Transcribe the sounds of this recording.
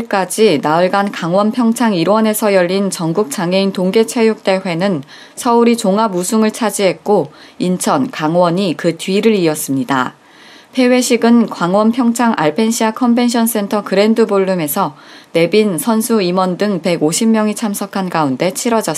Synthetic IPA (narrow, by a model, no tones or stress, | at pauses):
k͈ad͡ʑinaɯɭɡankaŋwʌnpʰjʌŋt͡ɕʰaŋiɾwʌne̞sʰʌjʌʎːint͡ɕʌŋɡuk̚t͡ɕ͈aŋe̞intoŋɡe̞t͡ɕʰe̞juk̚t͈e̞ɸwe̞nɯn | sʰʌuɾit͡ɕoŋamusʰuŋɯɭt͡ɕʰad͡ʑiɦe̞t̚k͈oint͡ɕʰʌnkaŋwʌɲikɯtɥiɾɯɾiʌs͈ɯmɲida̰ | pʰe̞we̞ɕʰiɡɯnkwaŋwʌnpʰjʌŋt͡ɕʰaŋʔaɭpʰe̞nɕʰiakʰʌmbe̞nɕʰʌns͈e̞ntʰʌkɯɾe̞ndɯboɭːume̞sʰʌ | ne̞binsʰʌnsʰuimwʌndɯŋpe̞ɡoɕʰimːjʌŋit͡ɕʰamsʰʌkʰanɡaunde̞t͡ɕʰiɾʌd͡ʑʌ